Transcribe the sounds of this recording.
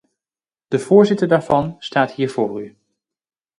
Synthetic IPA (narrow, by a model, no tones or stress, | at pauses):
d̥əv̥ʊːɹzɪtəɹdaːɹvɑnstaːtɦiːɹv̥ʊːry